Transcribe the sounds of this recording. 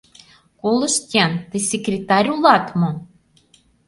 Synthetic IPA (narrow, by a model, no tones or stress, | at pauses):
kolɤ̆ʃt̪ʲiɑnt̪esʲekrʲet̪ɑɾʲulɑt̪mo